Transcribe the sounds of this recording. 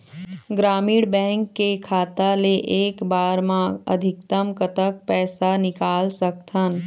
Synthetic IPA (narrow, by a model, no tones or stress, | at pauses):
ɡɾaːmiːɽbɛ̃ːŋkːekʰaːt̪aleʔeːkbaːɾmãə̰d̪ʱɪk̚t̪əmkət̪ək̚pɛːsanɪkaːlsək̚t̪ʰən